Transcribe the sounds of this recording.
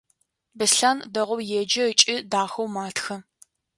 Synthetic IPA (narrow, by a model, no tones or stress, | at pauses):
bɨsɬaːndɐʁʷɔwjɛd͡ʒɐət͡ʃʼɪdaːxɐwmaːtxɐ